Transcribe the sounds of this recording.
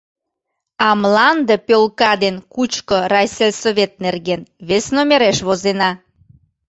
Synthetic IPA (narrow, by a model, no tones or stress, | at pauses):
ɑmlɑnd̪əpølkɑd̪enkut͡ɕkoɾɑjselʲsoβʲet̪̚nerɣenβesnomeɾeʃβozenɑ